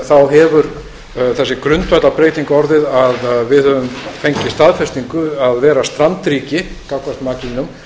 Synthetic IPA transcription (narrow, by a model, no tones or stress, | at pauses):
θaðɦɛvʏɾ | θɛsːɪkɾʏnt̪vat̪lapɾeːjt̪iŋkɔɾðɪðaðvɪðhœvʏmfejɲcɪst̪aðfɛst̪iŋkʏaðvɛːɾast̪ɾant̪ɾiːcɪ | kawkvar̥t̪maːcinʏm